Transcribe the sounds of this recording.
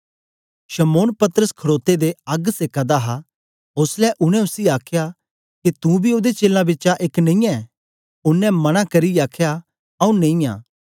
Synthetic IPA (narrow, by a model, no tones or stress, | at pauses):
ʃɐmoːnpɐt̪əɾəskʰɐɽoːt̪ed̪eɐɡseːkad̪aɦa | ʊslɛʔʊɽ̃ɛ̃ʊsiaːkʰja | kit̪ũbʱiod̪et͡ʃeːlãbɪtːt͡ʃaʔeːknɐ̃ĩɛ | ʊnːɛ̃mɐñãkɐɾiaːkʰja | ɐũnẽĩa̰ː